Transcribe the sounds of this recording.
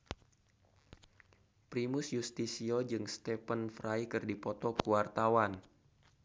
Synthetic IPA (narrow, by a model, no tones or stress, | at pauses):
pɾimʊsjust̪isiod͡ʒɨŋst̪ɛpənfɾajkɨrdipɔt̪ɔkuwart̪awan